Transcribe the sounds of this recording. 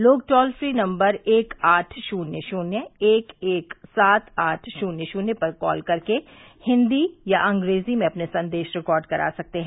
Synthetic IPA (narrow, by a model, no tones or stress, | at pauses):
loːɡ̚ʈɔːlfɾiːnɐ̃mbəɾeːkaːʈʰʃuːnjəʃuːnjəeːkeːksaːt̪ʰaːʈʰʃuːnjəʃuːnepɐɾkɔ̰ːlkɐɾke | hɪ̃nd̪ijaʔɐ̃ŋɡɾeːzimẽɐpnesɐ̃nd̪eːʃɾɪkɔːɾɖkɐɾa̰ːsɐk̚t̪eɦɛ̃ː